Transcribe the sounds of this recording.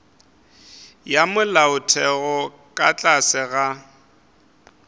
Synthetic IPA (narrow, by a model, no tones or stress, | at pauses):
jamʊlaʊtʰɛɣɔ | kʼat͡ɬʼasɪɣa